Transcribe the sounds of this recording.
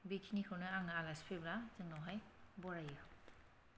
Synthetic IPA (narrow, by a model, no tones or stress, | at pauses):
bikʰinikʰɯwnɯaŋɯalaspʰeblazɯŋnawɦajbɔɾajɯ